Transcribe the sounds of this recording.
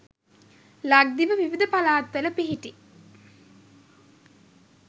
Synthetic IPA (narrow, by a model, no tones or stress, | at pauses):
laɡ̚d̪iʋəʋiʋid̪əpalaːt̪ʋələpiɦiʈi